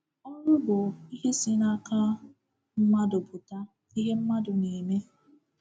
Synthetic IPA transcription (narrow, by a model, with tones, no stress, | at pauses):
ɔ˦ɾʊ˦bʊ˨i˦ɦe˦si˦na˦ka˦ | m̩˦ma˦dʊ˨bʊ˨ta˦ | i˦ɦe˦m̩˦ma˦dʊ˨ni˨me˦